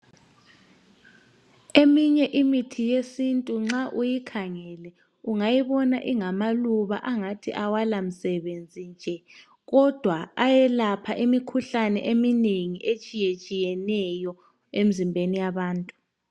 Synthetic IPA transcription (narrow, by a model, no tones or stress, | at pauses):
emiɲɛʔimitʰijesintʼuŋ͡ǁaʔujikʰaŋɛlɛ | uŋajiβɔnaʔiŋamaluβa̰ʔaŋatʰḭʔawalam̩sɛβend͡zʱind͡ʒʱɛ | ɣɔd̥ʱwaajɛlapʰaʔimikʰuɬanɛ̰ʔemineŋiʔet͡ʃʼijet͡ʃʼijɛnɛjɔ | emizimbʱenijaβaːntʼu